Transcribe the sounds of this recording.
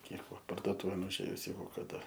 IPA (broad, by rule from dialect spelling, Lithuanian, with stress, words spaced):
ˈnʲiɛkoː pɐrdoːˈtuːʋʲeːn ʊʒʲˈeːjʊs ˈjɛɪɡʊ kɐˈdɐ